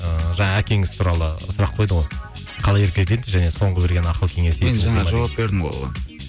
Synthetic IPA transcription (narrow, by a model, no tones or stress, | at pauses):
əʒɑɴɑækʲe̞ŋɪz̥t̪ʰuɾɑlˠəsʊɾɑqʰːo̞jd̪əʁo̞j | qʰɑlˠɑje̞ɾkʲelk̪ʲe̞nd̪ɪʒæne̞so̞ɴʁəbe̞ɾɡʲe̞nɑqəlˠkʲʰe̞ŋe̞seenʒɑnɑʒɑwap̚be̞ɾd̪ɪmo̰